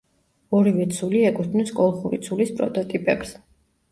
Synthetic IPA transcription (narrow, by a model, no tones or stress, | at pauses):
ɔɾivɛt̪sʰuliɛkʼut̪ʰnuskʼɔlˠχuɾḭt̪sʰulispʼɾɔt̪ʼɔt̪ʼipʼɛkɾs